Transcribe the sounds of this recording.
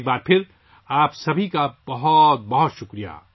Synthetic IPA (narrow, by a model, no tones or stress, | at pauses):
k̚baːɾpʰɪɾ | aːpsɐbʱikab̥ɐɦʊt̪̚bɐɦɔt̪ʃʊkɾija̰